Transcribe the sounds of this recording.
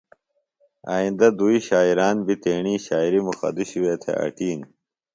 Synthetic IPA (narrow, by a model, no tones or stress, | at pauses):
a̰ːĩnd̪ɐd̪uiɕaːiɾaːnbit̪eːɳiːɕaːiɾimuxɐ̰d̪iɕuweːt̪ʰḛʔa̰ʈiːn